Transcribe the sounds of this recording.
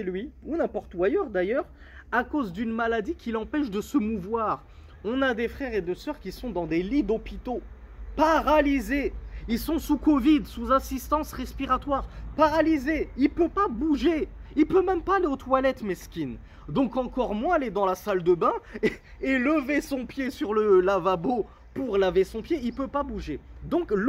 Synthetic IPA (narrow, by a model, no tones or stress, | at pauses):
sɛlɥiunɛ̃pɔʁt̪uajœʁd̪ajœʁ | akozd̪ynmalad̪ikʲilɑ̃pɛʃd̪əsəmuvwaʁ | ɔ̃nad̪efχɛʁed̪esœʁkʲisɔ̃d̪ɑ̃d̪elid̪ɔpit̪o | paʁalizeilsɔ̃sukɔvid̪suzasist̪ɑ̃sʁɛspiʁat̪waːʁpaʁalizeilpøpabuʒeilpømɛmpaːleot̪walɛt̪mɛskʲin | d̪ɔ̃kɑ̃kɔʁmwɛ̃aled̪ɑ̃lasald̪əbɛ̃ | eləvesɔ̃pjesyʁləlavabo | puʁlavesɔ̃pjeilpøpabuʒed̪ɔ̃k